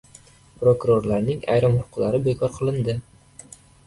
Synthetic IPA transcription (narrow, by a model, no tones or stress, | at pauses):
pɾokʊɾoɾlaɾnɪŋa̰jɾamhʊqʰʊlˠaɾɪbe̞kʰɒɾqʰɨlˠɪnd̪ɪ